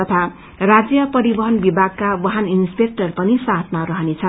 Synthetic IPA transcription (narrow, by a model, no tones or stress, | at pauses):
ʌt̪ʰa | rad͡zjʌpʌɾibʌɦʌnbibʱaɡ̚kabʌɦaninspek̚ʈʌrpʌnisat̪ʰmaɾʌɦʌnet͡sʰʌn